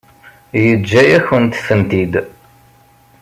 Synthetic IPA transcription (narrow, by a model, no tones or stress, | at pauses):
jəd͡ʒːæjæçənt̪θənt̪id̪